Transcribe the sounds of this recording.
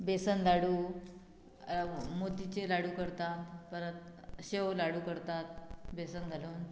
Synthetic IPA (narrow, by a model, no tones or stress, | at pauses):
besənd̪aɽuː | mot̪it͡ɕelaɽuːkəɾt̪at̪pəɾət̪ɕewlaɽuːkəɾt̪at̪̚besənɡʱaluːn